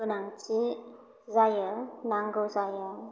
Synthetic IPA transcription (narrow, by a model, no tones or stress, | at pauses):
ɯnaŋt͡ʃi | zajənaŋɡɯwzajə